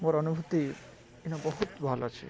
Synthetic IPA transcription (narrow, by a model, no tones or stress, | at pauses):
moɾɔnubʱut̪i | inabɔɦut̪bʱalat͡ɕʰḛ